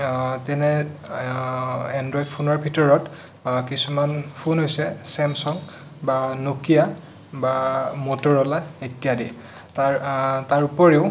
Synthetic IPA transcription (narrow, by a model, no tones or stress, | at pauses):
tɛnɛ | ɛndɹɔjdpʰunɔɹbʱitɔɹɔt | kisumanpʰunɦojsɛsɛmsɔŋ | banokija | bamotɔɹɔlaetijadiɛ | tataɹupɔɹeʊ